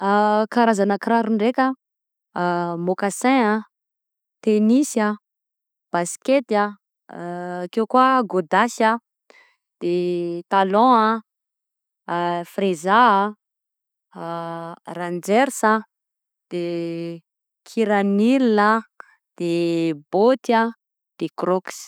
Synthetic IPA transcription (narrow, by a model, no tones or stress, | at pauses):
akaɾazanakɾaɾuɳɖ͡ʐekʲə | mokasɛ̃a | t̪enisa | b̥asket̪a | kewkwaɡod̪asa | d̪̥et̪alɔ̃a | frezaa | rãnd͡zɛɾsa | d̪̥e | kʰiɾanilina | d̪̥ebot̪a | d̪̥ekrɔks